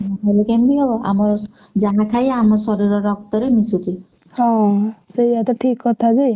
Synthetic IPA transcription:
mɔɦalekembiɦebɔʔa̰mɔɾ | d͡ʒaɦãkʰajamɔɾsɔɾɔɾɔɾɔk̚t̪ɔɾenisut̪i | hɔ̃sejat̪ɔʈʰikːɔt̪ʰad͡ʒej

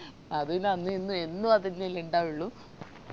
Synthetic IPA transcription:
ɐðunɐnːuenːuenːuɐðinːeleɳɖaːjuɭːu

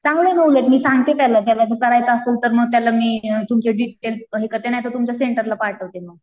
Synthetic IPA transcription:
t͡sãŋɡlenəwlet̪miːsãŋɡ̚t̪et̪jalat̪jaʋjasət̪əɾajt͡saəsəut̪əɾməɡt̪jalamiːt̪umt͡ɕeɖiʈelɦekəɾt̪enajt̪ət̪umt͡ɕjaseɳʈəɾlapaɽʈ̪əʋt̪eməɡ

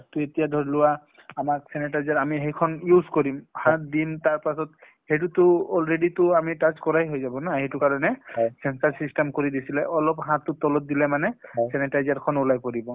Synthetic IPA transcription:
atuetijadʱɔɹilʊwa | amaksɛnɛtajzaɹamiɦejkʰɔnjuzkoɹimhãdintaɹpasɔt | hejtutʊɔlɹeditʊamitazkɔɹajɦojzabɔnahejtʊkaɹɔnɛsɛnsaɹsistɛmkoɹidisilɛʔɔlɔpɦãtːʊtɔlɔt̚dilɛmanɛsɛnɛtajzaɹkʰɔnulajpoɹibɔ

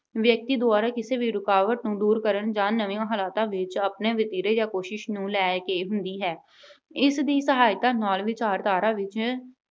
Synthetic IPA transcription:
ʋjək̚t̪iːd̪ʊaːɾaːkɪseːʋiːɾʊkaːʋəʈnũːd̪uːɾkəɾəɳd͡ʒãːnəʋĩjãːɦaːlaːt̪ãːʋɪt͡ʃəpneːʋɪt̪iːɾeːjãːkoːʃɪʃnũːlɛːkeːɦʊnd̪iːɦɛː | ɪsd̪iːsəɦaːɪt̪ãːnɔːlʋɪt͡ʃaːɾt̪aːɾãːʋɪt͡ʃ

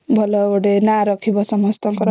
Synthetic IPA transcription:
bʱʌlʌoɽenaɾʌkʰibʌsʌmʌst̪ʌŋkʌɾ

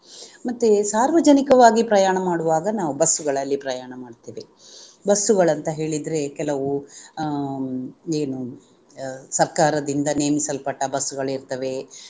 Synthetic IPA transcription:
mɐt̪ːesaːɾʋɐd͡ʒɐnikɐʋaːɡipɾɐjaːɳɐmaːɽuʋaːɡɐnaːʋubɐsːuɡɐɭɐlːipɾɐjaːɳɐmaːɖt̪eːʋe | bɐsːuɡɐɭɐnt̪ɐɦe̞ːɭid̪ɾe̞kɛlɐʋu | eːnu | sɐɾkaːɾɐd̪ind̪ɐneːmisɐlpɐʈːɐbɐsːuɡɐɭiɾt̪ɐʋe̞

